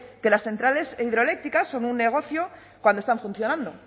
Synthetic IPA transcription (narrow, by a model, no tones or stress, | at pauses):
ke̞lasθe̞nt̪ɾale̞siðɾo̞ele̞k̚t̪ikasːo̞nunːe̞ɣ̞o̞θjo̞ | kwand̪ost̪aɱfun̟θjo̞nãnd̪o̞